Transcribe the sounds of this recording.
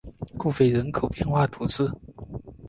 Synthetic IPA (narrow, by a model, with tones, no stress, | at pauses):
ku˥˧fe˥˩ɪɻə˧˥nkʰo˨˩ʊpjɛ˥˧nxwa˥˩t̪ʰu˧˥t͡sɹ̩˥˩